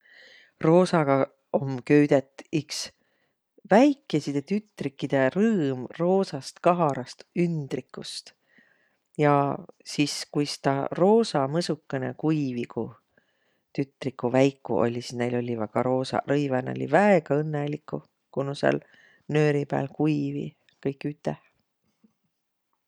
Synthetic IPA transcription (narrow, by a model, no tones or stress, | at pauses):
ro̞ːsɑɡ̥ɑ | omkø̞yd̪̥et̪ːˑiks | væjkˑːe̞sid̪̥et̪yt̪ːˑrikːid̪̥e̞rɤːmro̞ːsɑst̪kɑɦɑɾɑst̪ynd̪̥rikːˑust̪ | jɑsiskujsi̥t̪ɑro̞ːsɑmɤsukːenḛkujviku | t̪yt̪ˑrikːˑuvæjkːˑṵʔo̞̰lʲisisne̞jlo̞lʲivæɡ̥ɑɾo̞ːsɑ̰rɤjvɑneolḭvæeɡ̥ɑɤnːelikːu | kunusḛl | nø̞ːɾipæ̰ːlkujvḭ | kɤjkːˑyt̪ːˑeh